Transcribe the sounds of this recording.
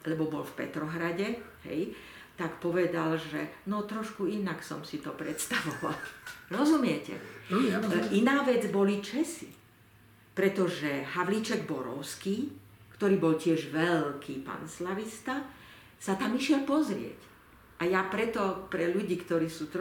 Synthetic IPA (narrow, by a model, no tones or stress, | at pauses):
lɛbɔbɔlfpɛ̰t̪ɾɔɦɾaɟɛ | ɦɛ̰j | t̪akpɔʋɛd̪alʒɛnɔt̪ɾɔʃkuinaksɔmsit̪ɔpɾɛt̪st̪aʋɔʋa̰lɾɔzumɪɛcɛ̰ | ʔinaːʋɛd͡zbɔlit͡ʃɛsi | pɾɛt̪ɔʒɛɦaʋlit͡ʃɛɡbɔɾɔ̰ʊskiː | kt̪ɔɾiːbɔlcɪɛʒʋɛlkʰiːpa̰nslaʋist̪a | sat̪amiʃɪɛlpɔzɾɪɛ̰c | ʔajapɾɛt̪ɔpɾɛʎuɟiːkt̪ɔɾiːsuːt̪